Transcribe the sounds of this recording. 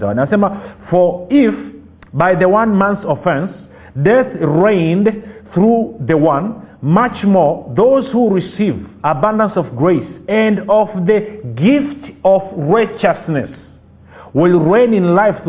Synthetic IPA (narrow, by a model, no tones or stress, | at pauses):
ãsẽmfɔ˞ɪf | baɪðəwʌ̃nmæ̃nsɔfɛ̃ns | dɛθɹẽɪ̃ndθɹuðɨwʌ̃nmʌt͡ʃmɔɹðoʊz̥huɹisivəbãndə̃nsʌvɡɹeɪsɨ̃nʌvðɨɡɪftʌvɹaɪt͡ʃɨsnɨ̰s | wɪlˠɹẽɪ̃nɨ̃nlaɪfθ